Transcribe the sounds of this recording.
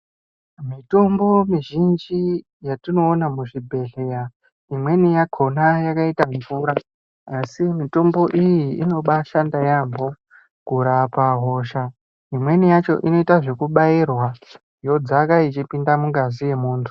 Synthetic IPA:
mito̞mbo̞miʒind͡ʒi | jatino̞ːnamuʐibʱe̞ɮe̞ɾa | imwe̞nijakʰo̞najakaitaɱvuːɾa | asimito̞mbo̞ʔijiino̞ɓaʃandajambo̞ | kuɾapaɦo̞ːʃa | imwe̞nijat͡ʃo̞̰ʔino̞itaʐe̞kuɓairwa | jo̞d͡zakait͡ʃipindamuŋɡazije̞muːntʰu̥

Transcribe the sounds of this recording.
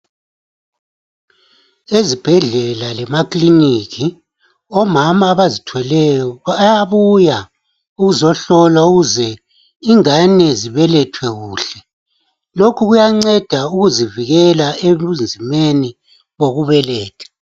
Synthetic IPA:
ezib̥ʱɛɮɛlalɛmakʼliniki | ɔmamaːβazitʰwɛlɛjɔjaβuja | uɣuzɔɬɔlwauɣuzɛ | iŋanɛziβɛlɛtʰwɛɣuːɬɛ | lokʰuɣujaŋ͡ǀɛd̥ʱauɣuziviɣɛlaeβund͡zʱimeni | βoɣuβɛlɛːtʰɛ̥

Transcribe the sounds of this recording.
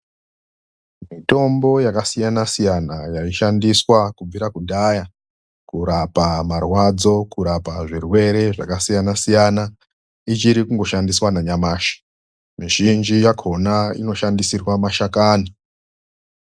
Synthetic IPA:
mito̞mbo̞jakasijanasijanajaiʃandiswakub͡viɾakuɗaja | kuɾapamarwad͡zo̞kuɾapaʐirwe̞ɾe̞ʐa̰kasijanasijana | it͡ʃiɾikuŋɡo̞ʃandiswanaɲamaːʃḁ | miʒind͡ʒijakʰo̞naḭno̞ʃandisirwamaʃakaːni

